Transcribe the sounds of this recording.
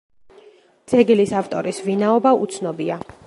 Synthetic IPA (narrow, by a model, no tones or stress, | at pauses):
d̪z̥ɛɡilisaft̪ʼɔɾisvinaɔbaṵt̪sʰnɔbia